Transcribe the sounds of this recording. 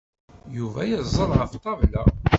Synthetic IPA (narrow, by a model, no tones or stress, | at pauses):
juvæjəzˤəɾˤʁəft̪ˤːɑvlæ